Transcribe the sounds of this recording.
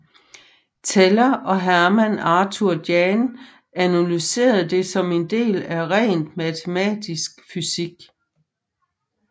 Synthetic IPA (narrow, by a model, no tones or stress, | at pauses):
t͡sʰelɐʔɒ̽ɦæɐmænɑ̈ːt͡sʰuɐd̥jɛn | ænulyse̝̰ːɐðˠd̥e̝sɒ̽me̝nd̥e̝̰ːlæʁɛ̰ːnd̥mæt͡sʰe̝mɛ̰ːd̥isɡ̥fysiɡ̥